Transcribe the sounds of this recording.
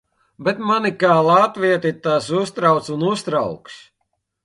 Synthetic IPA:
bet̪manikaːlˠat̪viɛt̪it̪asust̪ɾawt̪sunust̪ɾawkʃ

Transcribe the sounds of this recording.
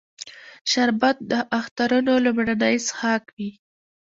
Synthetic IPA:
ʃaɾbat̪̚d̪əʔaxt̪aɾunolʊmɽanajsxɑkwi

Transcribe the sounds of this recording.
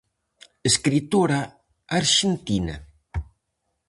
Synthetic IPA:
eskɾit̪oɾa | aɾʃent̪inɐ̰

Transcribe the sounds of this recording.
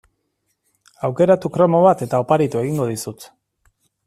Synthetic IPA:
awke̞ɾat̪ukɾo̞mo̞β̞at̪e̞t̪ao̞paɾit̪ue̞ɣ̞iŋɡo̞ðisut̪

